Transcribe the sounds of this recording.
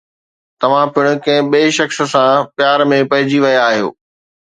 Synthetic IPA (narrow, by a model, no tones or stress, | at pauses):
t̪ɐʋ̤ãpɪɽ̃ʊ̆kɐ̃ɦɪ̃ɓeːʃɐxs̆sãpjaːɾmẽpɐɦɪd͡ʑiʋɐjaaːɦijo̰ː